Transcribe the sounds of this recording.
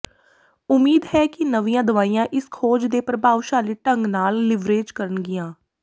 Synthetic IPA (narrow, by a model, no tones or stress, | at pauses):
ʊmiːd̪ɦɛːkɪnəʋijãːd̪əʋaːijãːʔɪskʰoːd͡ʒd̪eːpɾəbaːʋʃaːliːʈəŋɡnaːlːɪʋɾeːd͡ʒkəɾənɡɪjãː